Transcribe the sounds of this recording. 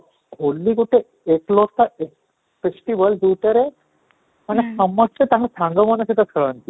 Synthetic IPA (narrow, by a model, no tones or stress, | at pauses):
ɡʱolːikuʈʰe | eklost̪ae | fesʈibəld̪uʈəɾe | mənesəmːəst̪et̪aɦãsãŋɡəmənəɕit̪ʰət͡sʰəɭənt̪i